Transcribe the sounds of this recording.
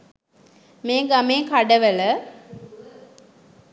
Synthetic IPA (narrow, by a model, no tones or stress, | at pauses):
meːɡameːkaɖəʋələ